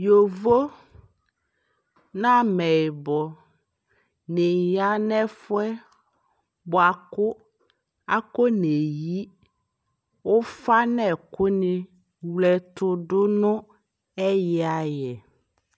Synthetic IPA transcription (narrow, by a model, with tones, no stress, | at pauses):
jo˨vo˦ | nã˦mɛ˨bɔ˨ | ne˨ja˦nɛ˦fʊ˦ɛ˦ | bʊ˨a˨kʊ˦ | a˦ko˦ne˨ji˦ | wʊ˦fa˦nɛ˨kʊ˦nɪ̃˦ | wlɛ˨t̪ʊ˨ɖʊ˦nʊ̃˦ | ɛ˦jɛ˨˦a˨jɛ˨